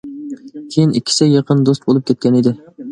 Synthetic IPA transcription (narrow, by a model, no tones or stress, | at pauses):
kʲʰejinʔikʲʰːi̥sɪjeqʰənd̪ost̪̚bolˠup̚kʲʰɛt̪̚kʲʰɛnɪd̪ɪ